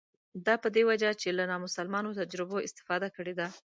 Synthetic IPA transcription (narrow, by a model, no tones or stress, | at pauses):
d̪ɑpəd̪ewad͡ʒat͡ʃelanɑmʊsalmɑnot̪ad͡ʒɾɪboɪst̪ɪ̥fɑd̪akəɽed̪a